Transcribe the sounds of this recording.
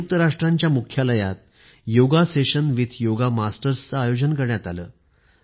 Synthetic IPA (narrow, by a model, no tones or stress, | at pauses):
k̚t̪əɾaʂʈɾãɲt͡ɕjamukʰjaləja̰t̪̚ | joɡaseɕənʋit̪ʰjoɡamasʈəɾst͡səajod͡ʑənkəɾɳjat̪alə̰ː